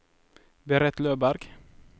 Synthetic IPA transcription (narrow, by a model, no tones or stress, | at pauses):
bəɾɛt̪løːbæɾɡ̥